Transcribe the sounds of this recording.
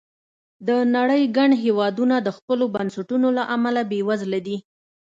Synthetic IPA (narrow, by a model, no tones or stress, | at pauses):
d̪ənaɽəjɡaɳɦewɑd̪unad̪əxpəlobansaʈunolaʔamalabewazlad̪i